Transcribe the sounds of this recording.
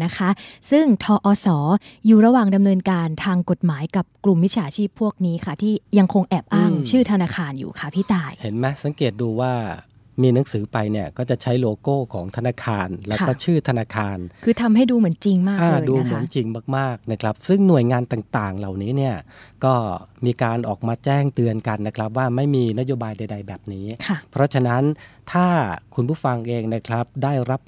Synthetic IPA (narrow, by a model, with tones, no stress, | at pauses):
na˦˥kʰa˦˥sɯ˥˩ŋt̪ʰɔː˧ʔɔː˧sɔː˩˦juː˨˩ɾa˧waː˨˩ŋda˧mnɤː˧nkaː˧nt̪ʰaː˧ŋko˨˩t̪̚maː˩˦jka˨˩p̚klu˨˩mːwi˦˥t͡ɕʰaː˨˧˦t͡ɕʰiː˥˩pʰːu˥˩ək̚niː˦˥kʰa˥˩t̪ʰiː˥˩ja˧ŋkʰo˧ŋʔɛː˨˩p̚ʔaː˥˩ŋt͡ɕʰɯː˥˩t̪ʰa˧naː˧kʰaː˧njṵː˨˩kʰa˦˥˩pʰiː˥˩t̪aː˧jhe˩˦nmɛ˦˥sa˨˩˦ŋkeː˨˩t̪̚duː˧waː˥˩ | miː˧na˩˦ŋsɯː˩˦pa˧jni˥˩ɐkɔː˥˩t͡ɕa˨˩t͡ɕʰa˦˥jloː˧koː˥˩kʰɔː˩˦ŋt̪ʰa˧naː˧kʰaː˧nlɛː˦˥wkɔː˥˩˥t͡ɕʰɯː˥˩t̪ʰa˧naː˧kʰaː˧nkʰɯː˧t̪ʰa˧mha˥˩jduː˧mɯ˩˦ənt͡ɕi˧ŋmaː˥˩ʔaː˧lːduː˧˦mɯ˨˩˦ənnt͡ɕi˧ŋmaː˥˩k̚maː˥˩k̚na˦˥kʰɾa˦˥p̚sɯ˥˩ŋnu˨˩əjŋaː˧nt̪aː˨˩ŋt̪aː˨˩ŋla˨˩wniː˦˥ni˥˩ɐkɔː˥˩miː˧kaː˧nʔɔː˨˩k̚maː˧t͡ɕɛː˥˩ŋt̪ɯ˧ənka˧nːa˦˥kʰɾa˦˥p̚waː˥˩ma˥˩jmiː˧na˦˥joː˧baː˧jda˧jda˧jbɛː˨˩p̚niː˦˥kʰa˥˩pʰɾɔ˦˥t͡ɕʰa˧na˦˥nt̪ʰaː˥˩kʰu˧npʰuː˥˩fa˧ŋʔeː˧ŋna˦˥kʰɾa˦˥p̚daː˥˩jɾa˦˥p̚